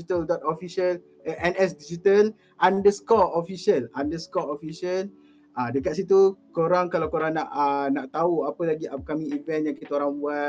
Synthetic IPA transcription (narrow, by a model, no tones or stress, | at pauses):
it̪əldɔt̪̚ofiʃəl | ʔɛnɛsdid͡ʒit̪əl | ʔandəskɔofisiəlandəskɔofisiəl | adəkat̪̚sit̪ukoɾaŋkalawkoɾaŋnaʔənaʔt̪auapəlaɡiakamĩːvɛ̃njaŋkit̪aoɾaŋbua